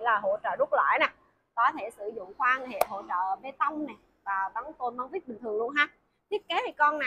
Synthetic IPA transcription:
laː˨˩ɦo̰˧˥t͡ɕə̰ː˧˨zʊ˦˥t̚la̰ː˧˩jnɛ˨˩ | kɔ˨˦t̪ʰe˧˩sɨ˧˩zʊ̰˧˨ŋ͡mxwaː˧ŋ˨˩˨hḛ˧˨ɦo̰˧˩t͡ɕə̰ː˧˨ve˨˩t̪ə˧wŋ͡mnɛ˨˩ | vaː˨˩t̪ɔ˨˦ŋ͡mk̪o˧nma˧˦ŋvi˦˥t̚ɓï˨˩ŋt̪ʰɨ˨˩əŋlu˧ənɦaː˦ | t̪ʰi˦˥ət̚ke˨˦t̪ʰi˨˩kɔ˧nna˨˩

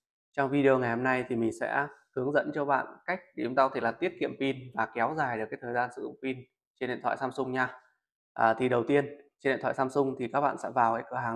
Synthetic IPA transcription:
t͡ɕɔ˧wŋ͡mvi˧ɗi˧o˧ŋa˨˩jho˧mna˧jt̪ʰi˨˩mï˨˩ŋ̟sɛ̰˧˥hɨ˨˦əŋzə̰˧˥nt͡ɕɔ˧ɓa̰ː˧˨nka˦˥jk̚i˨˩t͡ɕʊ˧˦ŋ͡mt̪aː˧kɔ˦t̪ʰe˧˩laː˨˩t̪i˦˥ət̚kḭ˧˨əmpi˧nvaː˨˩kɛ˨˦wzaː˨˩jɗɨ˨˩kaː˨˦jt̪ʰəː˨˩zaː˧nsɨ̰˧˨zʊ̰˧˥˩ŋ͡mfi˧n | t͡ɕe˧nɗḭ˧˨nt̪wa̰ː˧˨jsaː˧msʊ˧ŋ͡mɲaː˧ | ʔəː˨˩t̪ʰi˨˩ɗə˨˩wt̪i˧ənt͡ɕnɗḭ˧˨t̪ʰw̰ːjsaː˧msʊ˧ŋ͡mt̪ʰi˨˩kaː˦˥k̚ɓa̰ː˧˨nsɛ̰˧˥vaː˨˩wha̰˧˥jkɨ˧˩˨ɦaː˨˩ŋ

